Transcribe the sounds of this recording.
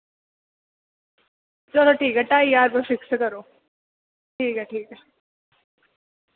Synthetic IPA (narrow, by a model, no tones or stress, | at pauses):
t͡ʃɐloːʈʰiːkɛʈaːijaːɾbɐʃɪksɐkɐɾoː | ʈʰiːkɛʈʰiːkɛ